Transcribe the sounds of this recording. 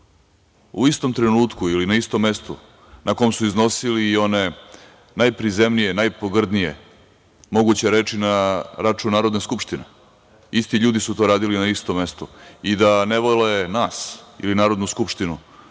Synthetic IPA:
ṵist̪o̞mt̪ɾenuːt̪kuilinaist̪o̞mːe̞st̪ṵ | nʔakojmsuizno̞silio̞ne̞ | najpɾizemnijenajpoɡr̩d̪nijḛ | mo̞ɡut͡ɕeɾeːt͡ʃinaɾat͡ʃunaːɾod̪neskupʂt̪ine | ist̪iʎuːd̪isut̪o̞ːɾaːd̪ilinaist̪omːe̞st̪uid̪aneʋolenaːsḭlinaːɾod̪nuskupʃt̪inu

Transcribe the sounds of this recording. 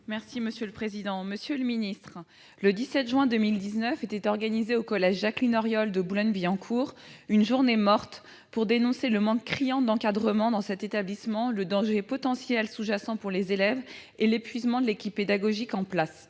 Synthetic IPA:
mɛʁsiməsjøləpχezid̪ɑ̃məsjøləminist̪χ | ləd̪isɛt̪ʒɥɛ̃d̪əmild̪iznœfet̪ɛt̪ɔʁɡanizeokɔlɛʒːaklinɔʁjɔld̪əbulɔnviɑ̃kʰuːʁ | ynʒuʁnemɔʁt̪ | puʁd̪enɔ̃seləmɑ̃kːχijɑ̃d̪ɑ̃kad̪ʁəmɑ̃d̪ɑ̃sɛt̪et̪ablismɑ̃ləd̪ɑ̃ʒepɔt̪ɑ̃sjɛlsuʒasɑ̃puʁlezelɛvelepɥizmɑ̃d̪əlekʲipːed̪aɡɔʒikɑ̃plas

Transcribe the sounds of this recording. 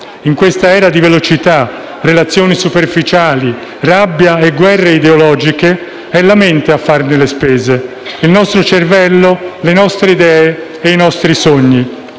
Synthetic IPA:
iŋkwest̪aɛːɾad̪ivelot͡ʃit̪a | relat̪sːjoːnisuperfit͡ʃaːli | rabːjaeɡwɛrːeid̪eolɔːd͡ʒike | ɛlament̪eafːarnelespɛːze | ilnɔst̪ɾot͡ʃervɛlːolenɔst̪ɾeid̪ɛːe | einɔst̪ɾisoɲːi

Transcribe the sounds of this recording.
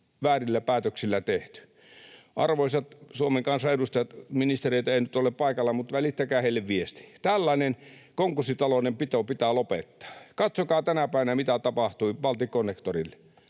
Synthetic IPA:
ʋæːrilːæpæːt̪øksilːæt̪eht̪y̥ | ʔɑ̰rʋoisʲɑt̪suomeŋkɑnsɑedust̪ɑjɑt̪minist̪ereˑit̪ɑeˑinyt̪oleppɑikɑlːɑmut̪ʋælit̪ːækæːheilːeʋʋiest̪i̥t̪ælːɑinen | koŋkusːit̪ɑlonempit̪opit̪æːlopet̪ːɑ̥ːkɑt̪sokɑːt̪ænæpæˑiʋænæmit̪æt̪ɑpɑht̪uiʋɑlt̪ikonːekt̪orilːe̥

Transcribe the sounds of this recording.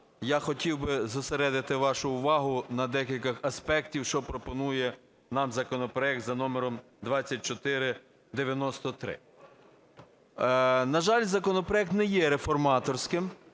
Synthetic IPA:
jɑxɔtʲiwbɪzʊseɾɛd̪ɪt̪ɪʋɑʃʊʊʋɑɦʊnɐd̪ɛkʲilʲkɐxɐspɛktʲiwʃt͡ʃɔpɾɔpɔnujɛ | nɑmzɐkɔnɔpɾɔɛk̚t̪zɐnɔmeɾɔm | d̪ʋɑt͡sʲːɐt̚ʲt͡ʃɔt̪ɪɾɪ | d̪eʋʲjɐnɔst̪ɔt̪ɾɪ̰ | nɐʒɑlʲzɐkɔnɔpɾɔɛk̚t̪nɛjɛɾefɔrmɑt̪ɔrsʲkɪm

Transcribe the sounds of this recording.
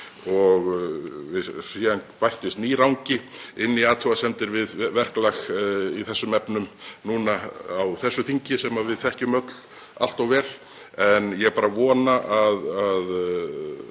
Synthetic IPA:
ɔɣvɪsianpajht̪ɪst̪niːɾawɲcɪɪnːiaːt̪ʰɔasɛmt̪ɪɾvɪðvɛr̥klaxiθɛsːʏmɛpnʏmnuːnaawθɛsːʏθiɲcɪsɛmavɪðθɛhcʏmœt̪l̥ | a̰l̥t̪awvɛːɾ̥ | ɛnjɛɣpaːɾavɔːnaʔaðað

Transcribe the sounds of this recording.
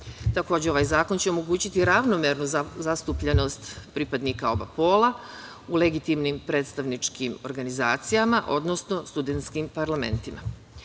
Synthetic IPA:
t̪ako̞ːd͡ʑeo̞ʋajzaːko̞nt͡ɕe̞o̞mo̞ɡuːt͡ɕit̪iɾaʋno̞meɾnuzast̪upʎe̞no̞st̪pɾipad̪nikao̞bapo̞ːla | ule̞ɡit̪imnimpɾe̞ːt̪st̪aʋnit͡ʃkʰimo̞ɾɡanizaːt̪sijamaʔo̞d̪no̞sno̞st̪ud̪ent̪skimpaɾlame̞̰nt̪ima̰

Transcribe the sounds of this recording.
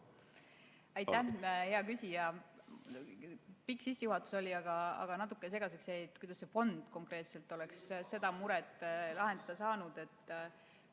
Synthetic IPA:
ɑjt̪ːˑæhe̞ɑkysʲijɑ | pikːˑsisːejuɦɑt̪ːˑu̥so̞lʲiɑɡ̥ɑɑ̰ɡ̥ɑnɑt̪̬ːˑu̥kːˑese̞ɡ̥ɑsekseet̪ːkujd̪ɑsːe̞fo̞nd̪̥ko̞ŋkɾe̞ːt̪se̞lt̪ːˑo̞leksse̞d̪̥ɑmuɾɛt̪ˑːlɑɦe̞nd̪̥ɑd̪̥ɑsɑːnud̪̥e̞t̪ːˑ

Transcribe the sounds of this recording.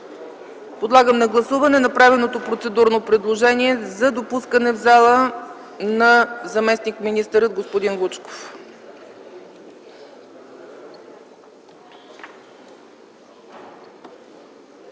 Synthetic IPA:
pod̪lˠaɡəmnɐɡlˠɐsuvɐnɛnɐpɾavɛnot̪opɾot̪sɛd̪uɾnopɾɛd̪lˠoʒɛniɛzɐd̪opuskənɛvzalˠə | nɐzɐmɛsnikminist̪əɾəd̪̚ɡospod̪inɡˠut͡ʃko̥f

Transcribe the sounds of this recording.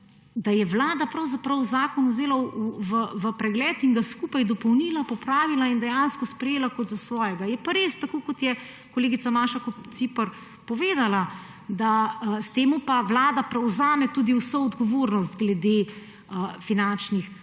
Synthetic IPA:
d̪ajɛʋlaːd̪apɾɐwzapɾɐwzaːkɔnwzeːlauʋəʋəpɾɛɡlɛːt̪iŋɡaskuːpajd̪ɔpɔwniːlapɔpɾaːʋilaind̪ɛjanskɔspɾɛjeːlakɔt̪zasʋɔːjɛɡajɛpaɾeːst̪akoːkɔt̪jɛ | kɔleːɡit̪samaːʃakɔpt̪sipəɾ | pɔʋeːd̪ala | d̪aəst̪eːmupaʋlaːd̪apɾɛwzaːmɛt̪ud̪iusɔɔd̪ɡɔʋoɾnɔst̪ɡlɛd̪e | əfinant͡ʃnix

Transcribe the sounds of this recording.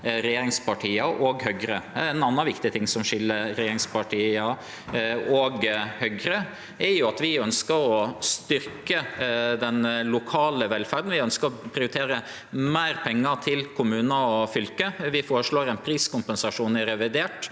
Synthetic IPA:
ɾɛjeːɾɪŋspɑʈʰiːɑʔɔɡhœɡɾəɛnɑnːɑʋɪkt̪ɪt̪ʰɪŋːsɔmʂɪlːəɾɾɛjeːɾɪŋspɑʈʰiːɑ | ɔɡhœɡɾə | ɛɾjʊɑt̪ʋɪœnskəɾɔst̪ʏɾkkəd̪ɛnlʊkʰɑːləʋɛlfæɾd̪n̩ʋɪœnskəɾɔpʰɾɪʊɾɪt̪ʰeːɾə | meːɾpʰɛŋːət̪ʰɪlkʰʊmʉːnɑɔfʏlkəʋɪfoːɾəʂɭoːɾɛnpʰɾiːskʊmpɛnsɑʂuːnɪɾɛʋɪd̪eːʈ

